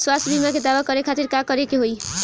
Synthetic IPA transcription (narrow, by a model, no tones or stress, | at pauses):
swasbimaked̪abakʌɾekʰat̪iɾkakʌɾekeɦoj